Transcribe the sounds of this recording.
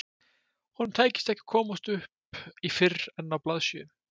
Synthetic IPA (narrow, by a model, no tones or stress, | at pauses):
hunːt̪ʰaːjcɪ̥st̪ɛhcɪ̥kʰɔːmust̪ʏhpifɪrːɛnːawplaðsjʏ̰n